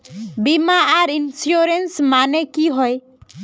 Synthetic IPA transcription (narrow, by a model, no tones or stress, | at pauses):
bimaaɾinsjoɾensmanekiɦɔj